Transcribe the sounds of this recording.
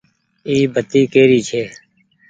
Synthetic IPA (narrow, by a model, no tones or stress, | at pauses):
iːbʱət̪iːkeːɾiːt͡ʃʰeː